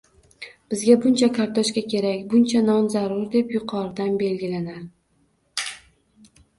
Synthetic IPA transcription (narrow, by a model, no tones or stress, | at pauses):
b̥ɪzɡʲabʊnt͡ʃʰakʰaɾt̪ʰoʃkʲakʲʰe̞ɾakʲbʊnt͡ʃʰanɒnzaɾʊɾd̪e̞pjʊqʰɒɾd̪anbe̞lɡʲɪlanaɾ